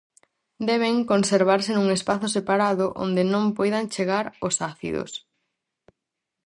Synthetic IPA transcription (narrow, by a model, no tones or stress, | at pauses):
d̪ɛβ̞eŋkonseɾβ̞aɾsenuŋespaθʊsepaɾaðʊʔo̰nd̪ɪnõmpojðaŋt͡ʃeɣaɾosaθḭðo̰s